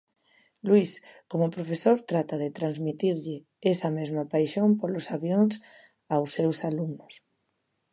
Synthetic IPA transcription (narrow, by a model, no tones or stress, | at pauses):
lwiskomopɾofesoɾt̪ɾat̪aðet̪ɾanzmit̪iɾʎɪ | esamezmapajʃompolosaβjons | awsːewsalumnʊs